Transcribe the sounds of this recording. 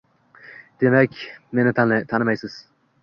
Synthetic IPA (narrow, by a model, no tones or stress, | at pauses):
d̪̥emɛkʲmenɪt̪ʰant̪ʰanɪmajsɨz̥